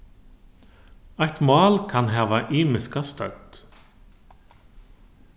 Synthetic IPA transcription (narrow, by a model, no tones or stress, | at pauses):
ajht̪mɑːlkʰanɦɛːʋaʔiːmɪskast̪œ̰wt̪